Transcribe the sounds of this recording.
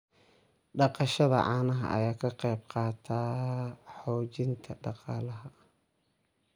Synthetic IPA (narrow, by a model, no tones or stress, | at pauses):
ɖɑqɑʃɐðɐ̰ʕɑːnɐɦɐ̰ʔɐ̰jaːkʰɐqɛjb̚qɑːt̪ʰaːħɔːt͡ʃɪnt̪ʰɐɖɑqɑːlɐɦɐ